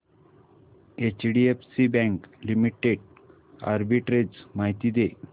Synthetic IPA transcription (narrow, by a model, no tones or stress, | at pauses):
et͡ɕɖiefsibɛ̃ŋklimiʈeɖ | a̰ɾbiʈɾed͡zmaɦit̪iːd̪e